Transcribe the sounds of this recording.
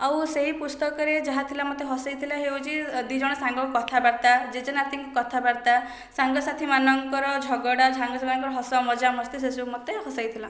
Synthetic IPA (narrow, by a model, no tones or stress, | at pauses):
awseɦipust̪ɔkɔɾed͡ʒaɦat̪ʰilamɔt̪eɦɔsajt̪ʰilaɦewt͡ʃʰid̪wid͡ʒɔɽ̃ɔsaŋɡɔkukɔt̪ʰabaɾt̪ad͡ʒed͡ʒɔnat̪iŋkukɔt̪ʰabaɾt̪a | saŋɡɔsat̪ʰimanɔŋkɔɾɔd͡ʒʱɔɡɔɽad͡ʒʱaŋɡɔsamaɔŋkɔɾɔɦɔsɔmɔd͡ʒamɔst̪isesumɔt̪ehɔsajt̪ʰilã